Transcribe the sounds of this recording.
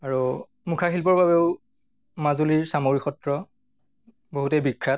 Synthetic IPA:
aɹu | mukʰaxilpɔɹbabeʊ | mazuliɹsamoɹixɔtɹɔ | boɦutɛbikʰːɹat

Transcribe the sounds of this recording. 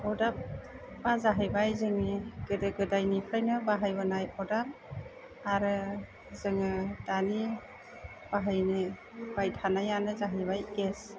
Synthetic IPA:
ɔdap̚bazaɦɯjbajzɯŋniɡ̥ɯdɯɡɯdajnipʰajnɯbaɦajbɯnajɔdap̚ | aɾɯ | zɯŋɯdani | b̥aɦajne | bajtʰanajanɯzaɦɯjbajɡes

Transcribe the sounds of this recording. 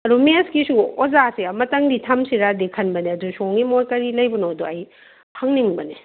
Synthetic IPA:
ɐɾumeskisuozasiamɐtɐŋditʰɐmsiɾadekʰɐnbɐniɐdusoŋimojkɐɾilɐjbɐnoduɐj | hɐŋniŋbɐni

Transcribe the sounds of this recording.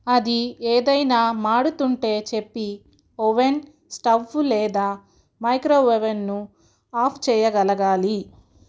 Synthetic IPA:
ɐd̪ieːd̪ɐjnaːmaːɽut̪uɳʈe̞ːt͡ʃepːi | oʋen | sʈɐʋulɛːd̪aː | mɐjkɾoːʋeʋenːu | aːpʰt͡ʃɛːjɐɡɐlɐɡaːli

